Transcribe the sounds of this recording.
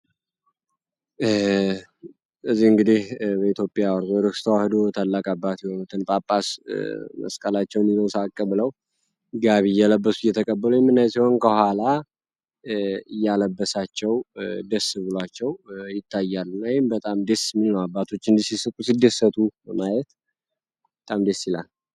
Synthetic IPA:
ɨzːihɨŋɡɨd̪ihbəit̪ʰjo̞pʼjawɾzod̪əkst̪ʰəwahɨd̪ot̪ʰalːakʼabːat̪jɛho̞nut̪ʰɨnpʼapʼːasmə̰skʼəlat͡ʃːɛwniləwsakʼːəβləw | ɡaβijːɛləbːəsuɪjːɛt̪ʰəkʼəbːəlujɛmːɨnːajsiho̞nkʰəhʷala | ɨjːaləbːəsat͡ʃːɛwd̪əsɨβɨlat͡ʃːɛwjɪt̪ʰːajːalːunːaɪmbət̪ʼamd̪esmːilnəwabːat̪ʰo̞t͡ʃːɨnd̪isisɨkʼusid̪ːəsːət̪ʰuəmajɛt̪ | bət̪ʼamd̪esilal

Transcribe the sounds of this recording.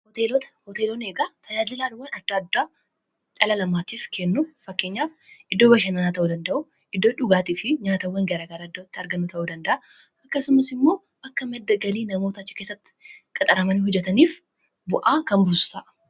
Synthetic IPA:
hɔt̪elɔt̪ɐhɔt̪eːloneːɡat̪ɐd͡ʒaːd͡ʒɪlaːᶑʊwːɐnɐd̪̥ːaːd̪ːaː | ᶑɐlɐlɐmaːt̪iːfkʰɛnːʊfɐkːeːɲːaːfʔɪd̪ːoːbɐʃ̬ɐnɐnaːt̪ɐʔud̪ɐnd̪ɐʔʊ | ʔɪd̪ːoᶑʊɡaːt̪iːfɪɲaːt̪ɐwːɐŋɡɐɾaːɡɐɾaɪd̪ːot̪ːɪɐɾɡɐnːʊt̪ʰɐʔud̪ɐnd̪ɐʔɐ | ɐkːɐsʊmɐsɪmːo̞ː | bɐkːɐmɛd̪ːɐɡɐliːnɐmo̞ːt̪ɐɐt͡ʃːɪ̥kesːɐt̪ːɪ̥kʼɐt̪ʼɐɾɐmɐnihʊd͡ʒːɛt̪ɐniːf | bʊʔaːkɐnbʊsʊ̥t̪ɐ̰ʔɐ̥

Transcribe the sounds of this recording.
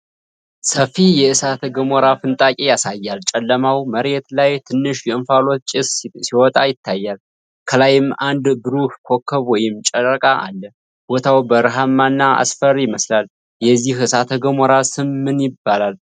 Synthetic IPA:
səfijɛɨsat̪ʰəɡəmoɾafɨnt̪ʼakʼejasajːalt͡ʃʼɛlːəmawməɾet̪lajt̪ʰɨnːɨʃjɛɨnfalo̞t̪̚t͡ʃʼɪssiwɔt̪ʼajɪt̪ʰːajːal | kʰəlajɪmand̪bɨɾukkʰo̞kːəβwɔjɪmt͡ʃʼəɾəkʼaʔa̰lːə | b̥ot̪ʰawbəɾɦamːanːaa̰sfəɾjɪməslal | jɛzːihɨsat̪ʰəɡəmɔɾasɨmːɨnjɪbːalal

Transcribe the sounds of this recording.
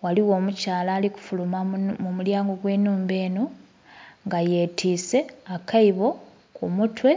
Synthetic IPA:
waliwo̞ːmucaːlaːliku̥fulumamumuljaːŋɡo̞ɡwe̞ːnuːmbe̞ːno̞ | ŋɡaje̞ːtʰiːse̞akaiβo̞ | kʰumutwe̞

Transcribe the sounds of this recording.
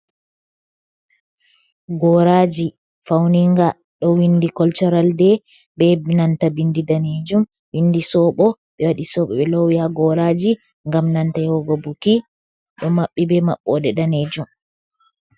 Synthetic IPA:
ɡɔɾad͡ʒi | fawniŋɡa | ɗɔwindikɔlt͡ʃɔɾaldɛ | bɛbnantabindidaned͡ʒum | windisɔːɓɔ | ɓɛwaɗisɔːɓɔɓɛlɔwihaɡɔɾad͡ʒi | ŋɡamnantajhɔɡɔbuki | ɗɔmaɓːibɛma̰ɓːɔdɛdaned͡ʒum

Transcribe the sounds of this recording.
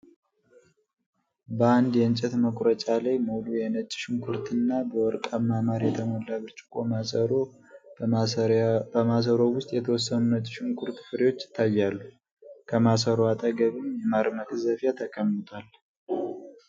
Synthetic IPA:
bəand̪jɛɨnt͡ʃʼɛt̪məkʼɾət͡ʃʼalajmolujɛnət͡ʃʼːɪ̥ʃɪŋkʰuɾt̪ʰɨnːabəwɔɾkʼamːamaɾjɛt̪ʰəməlːaβɨɾt͡ʃʼɪ̥kʼo̞masəɾo | bəmas̬əɾo̞wʊst̪ʼjɛt̪ʰəwɔsːənunət͡ʃʼːɪ̥ʃɪŋkʰuɾt̪fɨɾewo̞t͡ʃːɪ̥t̪ʰːajːalːu | kʰəmasəɾoat̪ʼəɡəβimjɛmaɾmət̪ɨzəfjat̪ʰəkʰəmːɨt̪ʰʼal

